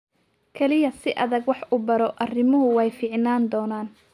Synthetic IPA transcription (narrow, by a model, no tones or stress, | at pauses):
kʰɐlɪjɐsɪʔɐðɐɡwɑħuːbɐɾɔʔɐrɪmʊɦʊwɛjfiːʕnaːnd̪ɔːnaːn